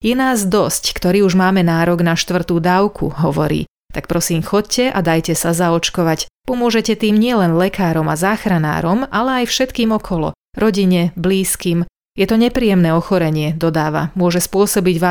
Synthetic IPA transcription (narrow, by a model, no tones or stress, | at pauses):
jɛnaːzd̪ɔsckt̪ɔɾiːuʒmaːmɛnaːɾɔɡnaʃt̪ʋr̩t̪uːd̪aʊkʰṵɦɔʋɔ̰ɾḭː | t̪ak̚pɾɔsiːmxɔccɛʔa̰d̪ajcɛsazaɔt͡ʃkɔʋacpɔmʊɔʒɛcɛt̪iːmɲɪɛlɛnlɛkaːɾɔmazaːxɾana̰ːɾɔmalɛajfʃɛt̪kiːmɔkʰɔlɔ̰ | ɾɔɟiɲɛbliːskiːm | jɛt̪ɔɲɛpɾiːjɛmnɛːɔxɔɾɛɲɪɛd̪ɔd̪aːʋa̰mʊɔʒɛspʊɔsɔbiɟʋa